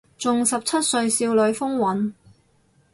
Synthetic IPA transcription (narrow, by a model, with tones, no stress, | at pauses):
t͡sʊ˨ŋsɐ˨p̚t͡sʰɐ˥t̚sɵ˧ɥsiː˧wlɵ˨˧ɥfʊ˥ŋwɐ˨˥n